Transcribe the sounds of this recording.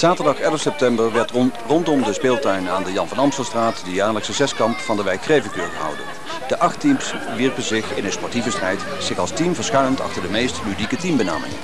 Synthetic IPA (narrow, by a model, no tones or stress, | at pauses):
z̥aːtəɹdɑχɛlˠəfsɛp̚tɛmbəɹʋɛɹtrɔntɔmdəspɪːlˠtœɥnaːndəjɑnvɑnɑmstəlˠstraːtdəjaːɹləksəzɛskɑmpfɑndəʋɛjkxrejvəkøːɹrəɦʌ̰wdə̰ | d̥əʔɑχtims | ʋiɹpəzɪχɪnənspɔɹtivəstrɛjt | z̥ɪxɑlˠstimvəɹsχɛɥnəntɑ̰χtəɹdəmejstlydikətimbəna̰ːmɪ̰ŋ